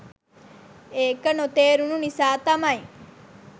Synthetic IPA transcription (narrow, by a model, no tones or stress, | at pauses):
eːkənot̪eːɾununisaːt̪ɐmɐj